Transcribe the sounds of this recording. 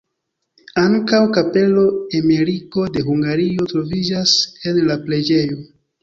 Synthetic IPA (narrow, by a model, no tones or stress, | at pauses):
aŋkawkape̞lo̞emeɾiko̞de̞ɦuŋɡaɾijo̞tɾo̞vid͡ʒase̞nlapɾe̞d͡ʒe̞jo̞